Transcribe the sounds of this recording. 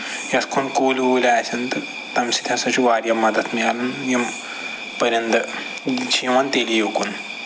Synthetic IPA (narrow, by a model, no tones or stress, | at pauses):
jɐskʰonkoːlioːlʲaːsɐnt̪ɨ | t̪ɐmsi̥t̪ʲʰjãsɐt͡ʃʰuʋaːɾjɐmːɐd̪ɐt̪ʰmijalɐnjɐm | pɐɾʲjɐnt̪ɨ | t͡ʃʰiʋɐnt̪eːlijokun